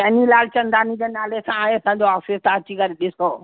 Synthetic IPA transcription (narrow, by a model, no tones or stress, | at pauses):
ɐɦnilaːlt͡ɕɐ̃nd̪aːnĩd͡ʑeːnaːlesãaːɦẽɐsãːɲd͡ʑoaːfɪst̪aːt͡ɕikɐɾeɗɪskɐoː